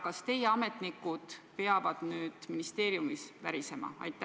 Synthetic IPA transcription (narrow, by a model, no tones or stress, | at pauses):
kɑst̪e̞jeɑme̞t̪ˑnikːˑud̪̥pe̞ɑvɑd̪̥nyːd̪̥minist̪e̞ːɾiumisvæɾise̞mɑ̰ɑ̰jt̪ːˑæ